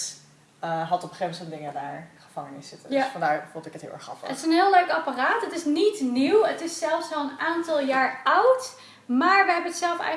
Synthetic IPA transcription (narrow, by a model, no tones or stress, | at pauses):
ɦɑtɔbəχemətɔndɪŋədaːɹχəv̥ɑŋənɪssɪtəfɑndaːɹfutɪkətɦɪ̰lˠɛ̰ɹχɑ̰fə̰tɪsənɦɪːlˠœɥkaparaːtətɪsnitniwətɪsːɛlˠfsoənaːntɑlˠjaːɹʌwt | maːɹʋəɦɛbənətsɛlˠfɛ̰